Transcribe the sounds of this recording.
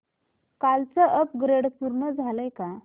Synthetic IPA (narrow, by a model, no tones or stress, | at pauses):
kalt͡səʔəp̚ɡɾeɽpuɾnəd͡zʱaləjka